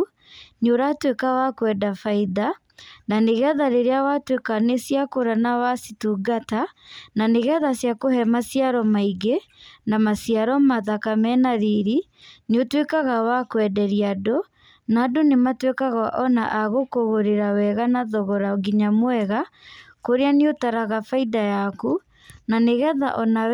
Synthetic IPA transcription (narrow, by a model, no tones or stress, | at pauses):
noɾatwekawakwɛdafaiða | naneɣɛðaɾeɾeawatwekanesjakoɾanawasituɡatananeɣɛðasjakohɛmasjaɾɔmaiɡe | namasiaɾɔmaðakamɛnaðiɾi | neotwekaɣawakwɛdɛɾiado | naːdonematwekaɣaʔɔna̰ʔaɣokoɣoɾeɾawɛɣanaðɔɣɔɾaoɡiɲamwɛɣa | koɾeaneotaɾaɣafaidajaku | naneɣɛða̰ʔɔna